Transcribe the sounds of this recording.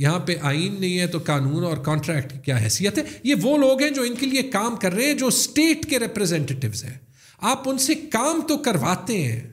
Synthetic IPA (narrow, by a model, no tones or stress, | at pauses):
jɐɦãpeʔaːiːnːɐɦĩɦɛ̃t̪okaːnuːnɔːɾkɔːɳʈɾɛːkʈkikjaːɦɛ̰ːsijət̪ɦɛjeʋoːloːɡɦɛ̃d͡ʒoːɪnkeliekaːmkɐɾːɐɦeɦɛ̃d͡ʒoːsʈeːʈkeɾɛpɾɛzɛ̃ɳʈeːʈɪʋzɦɛ̰̃ː | aːpʊnsekaːmt̪okɐɾʋaːt̪eɦɛ̰̃ː